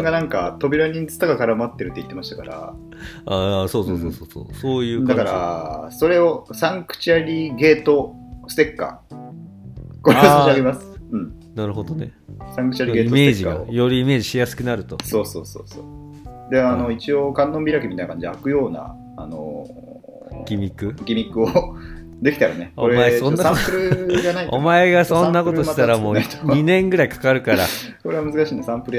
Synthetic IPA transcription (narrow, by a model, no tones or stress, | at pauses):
ɡanãŋkat̪o̞bʲiɾaɲ̟int͡sɨ̥t̪aɡakaɾamat̪ːe̞ɾɯ̟t̪ːeit̪ːemaɕi̥t̪ḁkaɾa̰ | asoːsoːsoːsoːso̰ːsoːjɯ̟ːd̪akaɾaso̞ɾe̞o̞sãŋkɯ̟̥t͡ɕiaɾʲiɡe̞ːt̪o̞ | sɨ̥t̪e̞kːa̰ | koɾiaɾʲimasɨ̥ɯ̟̃ɴ | naɾɯ̟ɦod̪onḛ | sãŋkɯ̥t͡ɕiaɾiɡe̞ːiomseːeʑikːaa̰joɾiime̞ːʑiɕijasɨ̥kʲinaɾɯ̟t̪oso̞ːso̞̰ːso̞̰ːso̞̰ː | d̪eano̞it͡ɕiokãnːõmbʲiɾakʲimit̪ajnakaɲd͡ʑiakɯ̟jo̞ːna̰ | ano̰ | ɡʲimʲikɯ̟ɡʲimʲikːɯo | d̪e̞kʲi̥t̪aɾaneoɾemaesonːasãpɯ̟ɾɯɡanaito̞̰maeɡasõ̞nːako̞t̪oɕait̪aɾamo̞ːɲinẽ̞ŋɡɯ̟ɾaikḁkaɾɯ̟kaɾa̰koɾe̞βamɯzɨkaɕiːnesãmpɯɾɯ